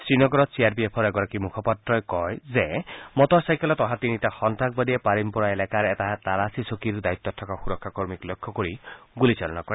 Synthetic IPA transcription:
sɾinɔɡɔɾɔsiaɾbiepʰɔɾeɡɔɾakimukʰɔpat̪ɾɔjkɔjzemɔt̪ɔsajkɔlɔt̪ɔɦat̪init̪axɔnt̪ak̚bad̪iepaɾimpɔɾaelakaɾet̪aɦat̪aɾasisokiɾud̪ait̪ːɔtʰɔkaxuɾɔkʰːakɔɾmiklokʰːɔkoɾiɡulit͡ʃalɔnɔkɔɾe

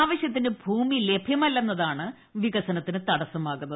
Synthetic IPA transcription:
aːʋɐɕjɐt̪̬ːinebʱuːmile̞bʱjɐmɐlːɐnːɐðaːɳɨ | ʋiɣɐsɐnɐt̪ːinɨt̪ɐɽɐsɐmaːɣunːɐð

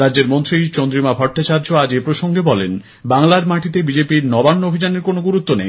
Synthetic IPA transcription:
ɾadːd͡ʑeɾmont̪ɾit͡ɕond̪ɾimabʱɔʈːat͡ɕaɾd͡ʑoaɾepɾoʃoŋɡebɔlen | baŋlaɾmaʈit̪ebid͡ʑepiɾnɔbanːoobʱid͡ʑaneɾkonoɡuɾut̪ːonej

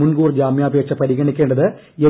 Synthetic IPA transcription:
unɡuːrd͡ʑaːmjaːbʱeːk̚t͡ɕːɐpɐɾiɣɐɳikʲːeːɳɖɐðɨ | e

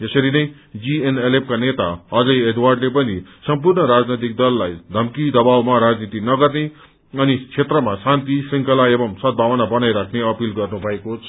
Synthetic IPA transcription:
d͡zʌsʌɾinʌj | d͡zienelep̚kanet̪aʌd͡zʌjed̪warɖlep̬ʌnisʌmpurnʌɾad͡znʌt̪̬ik̚d̪ʌlːajd̪ʱʌmkid̪ʌbawmaɾad͡znit̪inʌɡʌrne | ʌnit͡sʰet̪rʌmasant̪isiŋkʌlaebʌmsʌd̪̚bʱawʌnabʌnajɾakʰneʌpilɡʌrnubʱʌekot͡sʰʌ

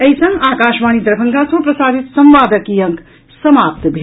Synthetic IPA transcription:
ɐisɐ̃ŋɡaːkaːʃmaːñid̪ɾbʰəŋkasɐ̃pɾɐsaːd̪it̪sɐmʋaːd̪əkijɐŋk | sɐmaːp̚t̪bʱe

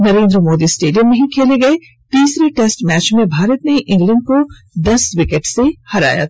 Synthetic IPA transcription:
nɐɾẽːnd̪ɾəmoːd̪isʈeːɖijə̃mːẽɦĩkʰeːleɡɐe | t̪iːsɾeʈesʈmɛːt͡ʃmẽbʱaːɾət̪neʔɪ̃ŋɡlə̃ɳɖ̚ko | d̪ɐswɪkeʈsehɐɾa̰ːja̰t̪

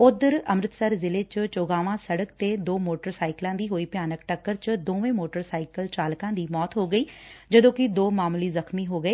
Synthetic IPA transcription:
ʊd̪əɾəmɾɪt̪səɾzɪleːt͡ʃt͡ʃoːɡaːʋãːsəɽəkt̪eːd̪oːmoːʈəɾsaːɪklãːd̪iːɦoːiːpjaːnəkʈəkːəɾt͡ʃd̪õːʋẽːmoːʈəɾsaːɪkəlt͡ʃaːlkãːd̪iːmɔːt̪ɦoːɡəiːd͡ʒəd̪õːkɪd̪oːmaːmliːzəxmiːɦoːɡəeː

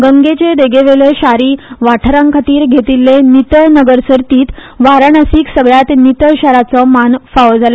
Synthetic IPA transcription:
ɡəŋɡet͡ɕed̪eɡeʋeleɕaɾiːʋaʈʰɾãŋkʰat̪iːɾɡʱet̪ilːenit̪əɭnəɡəɾsəɾt̪iːt̪ | ʋaɾəɳəsiːksəɡɭjat̪nit̪əɭɕaɾat͡sɔmanfaʋəd͡zala

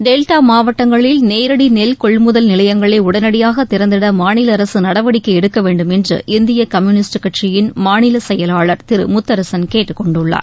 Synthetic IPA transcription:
ɖeːlʈaːmaːʋɐʈːɐŋɡɐɭɪlneːɾɐɽinɛlkɔɭmʊðɐlnɪlɐjɐŋɡɐɭɐɪʊɽɐnɐɽɪjaːɣɐt̪ːɪɾɐnd̪ɪɽɐmaːnɪlɐːɾɐsɯnɐɽɐʋɐɽɪkːɐɛɽɯkːɐʋeːɳɖɯmɛndrɯ̰ʔɪnd̪ɪjɐkɐmjunɪsʈɯkːɐʈʂɪjɪnmaːnɪlɐsɛjɐlaːɭɐɾt̪ɪɾɯ̰mʊt̪ːɐɾɐsɐnkeːʈːɯkːɔɳɖɯɭːa̰ːɾ

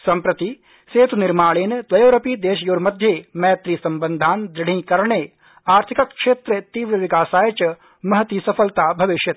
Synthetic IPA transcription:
sɐmpɾɐt̪i | seːt̪unɪɾmaːɭeːnd̪ʋɐjoːɾɐpiːd̪eːʃjoːɾmɐd̪ʱjeːmɛjɐt̪ɾiːsɐmbənd̪ʱaːnd̪ɾɪɽ̤ĩːkɐɾɳeː | aːɾt̪ʰikɐkkʃeːt̪ɾət̪iːʋɾɐʋɪkaːsaːjɐt͡ʃɐ | mɐɦɐt̪iːsɐpʰɐlt̪aːbʱɐʋɪʃjɐt̪

